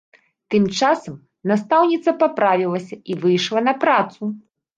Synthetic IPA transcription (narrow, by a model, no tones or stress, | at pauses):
t̪ɨmt͡ʂasɐm | nast̪awnʲit̪sɐpapɾavʲilˠɐsʲɐivɨjʂlˠɐnɐpɾat̪su